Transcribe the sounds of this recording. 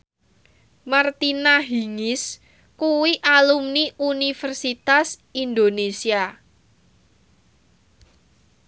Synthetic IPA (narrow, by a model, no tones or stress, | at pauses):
mart̪inaɦiŋɪs | kuwiʔalumniʔunifərsit̪asind̪onesia